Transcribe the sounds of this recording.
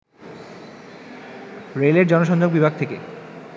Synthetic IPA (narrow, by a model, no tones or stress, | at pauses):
ɾeleɾd͡ʑɔnoʃ̬ɔnd͡ʑoɡ̚bibʱaɡ̚t̪ʰekḛ